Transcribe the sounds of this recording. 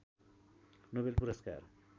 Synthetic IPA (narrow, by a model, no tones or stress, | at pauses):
nobelpuɾʌska̰r